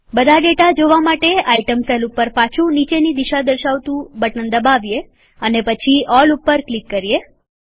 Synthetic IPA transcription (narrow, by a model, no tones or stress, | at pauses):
bəd̪ʱaɖeʈad͡ʒoʋamaʈeaiʈəmselupəɾpat͡ʃʰũnit͡ʃenid̪iʃad̪əɾʃaʋt̪ũbəʈənd̪əbaʋje | ənepət͡ʃʰiʔɔlupːəɾklikːəɾije